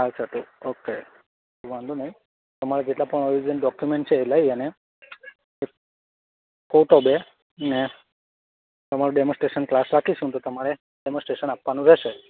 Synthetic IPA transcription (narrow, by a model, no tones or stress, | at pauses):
ɦalt͡ʃʰəʈ̪uoke | umand̪unəɦĩ | t̪əmaɭed͡ʒeʈlapəɳɔɾid͡ʒənɖɔkjumeɳʈ̚t͡ʃʰeːləɦiəne | ek | koʈɔbe | ne | t̪əmaɾuɖemɔ̃sʈɾeʃənklasɾakʰiʃũt̪ot̪əmaɭe | ɖemɔ̃sʈɾeʃənapːʋanũɾɛʃe